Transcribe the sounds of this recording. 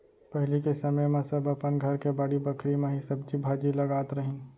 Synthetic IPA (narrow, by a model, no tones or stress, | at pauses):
pɐɦɪlikesɐməjmẽsɐbəpənɡʱɐɾkebɐɽibɐkʰɾimẽɦisɐbd͡ʒibʱaːd͡ʒilɐɡaːt̪ɾɐɦĩː